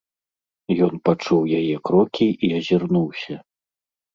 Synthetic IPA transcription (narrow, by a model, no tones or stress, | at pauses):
jɔnpat͡ʂuwjajɛkɾɔkʲʰiiɐzʲirnuwsʲɐ